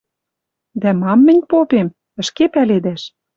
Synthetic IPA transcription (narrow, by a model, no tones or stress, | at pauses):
d̪æmɑmːɘ̆nʲpopem | ə̆ʃkepæled̪æʃ